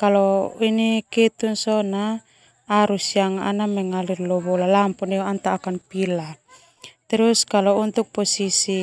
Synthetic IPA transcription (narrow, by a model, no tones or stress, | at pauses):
kalɔinikɛt̪unsɔnaː | ɾusiaŋaʔanamɛŋalirlɔβɔlalampɔnɛɔant̪aːkanpila | t̪ɛɾuskalɔunt̪uk̚pɔsisi